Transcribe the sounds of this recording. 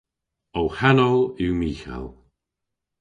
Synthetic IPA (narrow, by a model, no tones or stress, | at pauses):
owhanɔlˠɪwmiːxa̰lˠ